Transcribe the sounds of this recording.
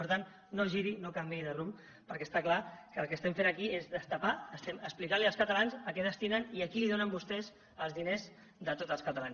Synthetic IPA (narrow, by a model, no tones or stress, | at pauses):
pəɾt̪anː | oʒiɾinokambiðərum | pəɾkɛst̪aklakəːlˠkəːst̪ɛmfenəkiezðəst̪apaəst̪ɛməksplikaɾliəlskət̪əlanzəkɛðəst̪inəniəkiliðonəmbust̪ɛz | əlzðinez | d̪ət̪ot̪əlˠskət̪alans